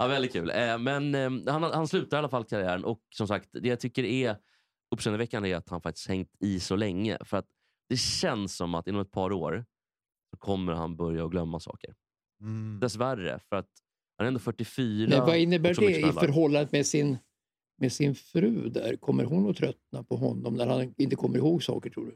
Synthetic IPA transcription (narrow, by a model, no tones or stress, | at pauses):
ɑvɛlɪt̪̚kʰʉ̟ːlɛmɛnhanahanslʉ̟ːt̪aɾalːafalːkʰaɾɪæːɾənʔɔksɔmsakt̪d̪ɛjat̪ʰʏkːəɾɛ | ɵpːsɛnəvɛkːanæɾat̪hanfakt̪ɪ̥sk̪hɛŋt̪ɪsɔlɛŋːə̰fœɾat̪̚ | d̪̥ɛɕɛnsːɔma̰t̪ːɪnːɔmɛt̪̚pʰɑːɾoːɾ | sɔkʰɔmːəɾha̰nbœɾjaɔɡlœmːasɑ̰ːkəɾ | d̪ɛsværːə̰fœɾat̪ | hanɛɾɛnd̪oːfœʈːɪfyːɾmɛanvaɪnːəbæːɖɛɪœɾɦɔlːand̪əmɛsɪn | mɛsɪnfɾʉ̟ːd̪æ̰ɾkʰɔmːə̰ɾɦʊnːuːt̪ʰɾœt̪napʰɔɦɔnːɔmnæɾhanɪnt̪əkʰɔmːəɾɪhoːɡsɑ̰ːkəʈʰɾṵːɖɵ